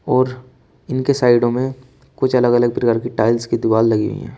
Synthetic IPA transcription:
ɔːɾ | ɪnkesaːɪɖõmẽ | kʊt͡ʃʰɐləɡɐləɡ̚pɾɪɡaːɾkiʈaːɪlskid̪ɪʋaːlːɐɡiɦʊ̰ḭɦɛ̰̃ː

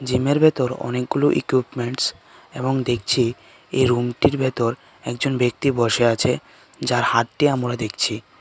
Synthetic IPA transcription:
d͡ʑimeɾbʱɛt̪oɾɔ̰nek̚ɡuluʔḭkwipmeɳʈs | eboŋd̪ek̚ʰt͡ɕʰi | eɾumʈiɾbʱɛt̪oɾ | ɛk̚d͡ʑonbek̚t̪ibɔʃeat͡ɕʰe | d͡ʑaɾhaʈʈiamɾad̪ekʰt͡ɕʰi

